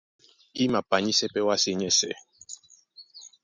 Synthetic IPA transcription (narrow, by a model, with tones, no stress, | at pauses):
i˦ma˨pa˨ɲi˦sɛ˦pɛ˦wa˦se˦˨ɲɛ˦˨sɛ̰˨